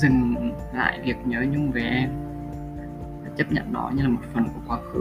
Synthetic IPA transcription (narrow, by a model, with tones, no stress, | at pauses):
zɨ˨˩ŋ | la̰ː˧˨jvi˨˩ək̚ɲəː˨˦ɲʊ˧ŋ͡mve˨˩ʔɛ˧m˨˩ | t͡ɕə˦˥p̚ɲə̰˧˨nːɔ̰˨˦ɲɨ˧laː˨˩mo˨˩t̚fə˨˩nku˧˩əkwaː˨˦xɨ˨˦